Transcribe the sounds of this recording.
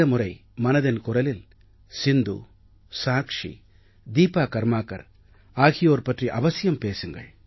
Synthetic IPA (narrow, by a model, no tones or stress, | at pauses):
ɐmʊrɐɪmɐnɐðɐnkʊrɐlɪl | sɪnd̪ṵ | saːkʂḭ | d̪iːpaːkɐɾmaːkːɐ̰ɾ | aːɣɪjoːɾpɐʈriʔɐʋɐsɪjɐmpeːsɯŋɡɐ̰ɭ